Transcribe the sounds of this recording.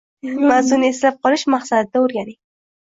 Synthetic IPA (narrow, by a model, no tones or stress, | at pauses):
mazuneslap̚qɑləʃmaχsad̪̚d̪aoɾɡʲani